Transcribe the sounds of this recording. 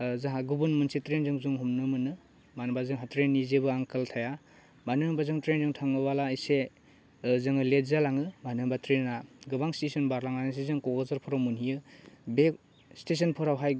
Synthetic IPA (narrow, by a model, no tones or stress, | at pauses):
zaɦaɡubunmunsitɾenzɯŋzuŋɦumnɯmɯnɯ | manbazɯŋɦatɾenːizebɯaŋkʰɯltʰaja | manɯbazɯŋtɾenzɯŋtʰaŋɯbalaijse | zɯŋɯletzalaŋɯmanɯbatɾenːaɡɯbaŋstesɔnbaɾlaŋanas̬ezɯŋkɔɡɔzɯɾpʰɔɾawmunijɯbek | stes̬ɔnpʰɔɾawɦaj